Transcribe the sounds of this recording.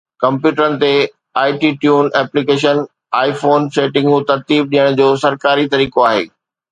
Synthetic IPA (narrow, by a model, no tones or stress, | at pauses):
kɐ̃mpjuːʈəɾənɪ̆t̪e | aːɪʈiːʈjuːnɛːplikeːʃ̬ən | aːifoːnseːʈɪ̃ŋɡũt̪ɐɾt̪iːb̚ɗijəɽ̃d͡ʑoːsɐɾkaːɾit̪ɐɾiːkoaːɦḛː